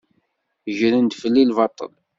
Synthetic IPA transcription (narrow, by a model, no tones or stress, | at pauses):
ʒɾənd̪fəlːilvɑt̪ˤːə̰l